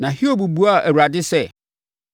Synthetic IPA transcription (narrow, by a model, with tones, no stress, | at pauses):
nã˨hi˦o˦bu˨bu˦a˦˨ʔæ˨wu˨a˨dɪ˦sɛ˦